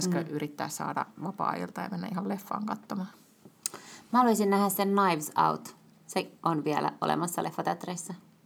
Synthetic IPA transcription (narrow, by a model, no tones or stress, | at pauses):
skɑʔyɾit̪ːæːssɑ̰ːdɑ̰ʋɑpɑ̰ːḭlt̪ɑjɑ̰menːæihɑllefːɑ̰ːŋkɑt̪ːomɑː | mhɑluisinnæhæssennɑiʋsɑ̰wt̪ | seʔonʋiɛlæ̰ʔo̰lḛmɑsːɑlefːɑt̪æt̪reisːæ